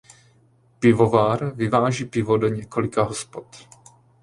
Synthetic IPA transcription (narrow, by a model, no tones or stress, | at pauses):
pɪvovaːɾvɪvaːʒiːpɪvodoɲɛko̞lɪkaɦospot̪